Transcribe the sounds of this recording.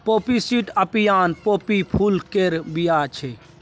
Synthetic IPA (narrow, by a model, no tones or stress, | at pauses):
poːpisiʈəpijaːnpoːpipʰulkeɾbijat͡ʃʰe